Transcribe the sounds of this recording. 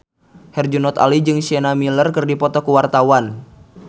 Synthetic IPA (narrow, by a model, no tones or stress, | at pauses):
hɛrd͡ʒunɔt̪a̰lid͡ʒɨŋsiɛnamilərkɨrdipɔt̪ɔkuwart̪awan